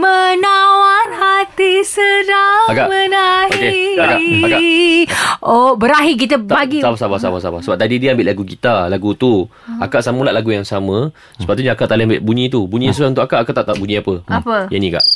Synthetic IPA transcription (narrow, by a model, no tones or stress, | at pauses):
mənawanhat̪isəɾaakaʔmənaɦokekaaaka | obəɾaɦik̬it̪̬əbaɡisabasabasabasabasəbap̚t̪adidiəambɪʔlaɡuɡit̪alaɡut̪u | akaʔsamulaʔlaɡujaŋsamã | səpaʔt̪uɲaakaʔt̪alɪhambɪʔbuɲĩt̪ubuɲĩsəaunt̪ʊkakaʔakat̪aʔt̪aʔbuɲĩapəapəjanĩka̰ʔ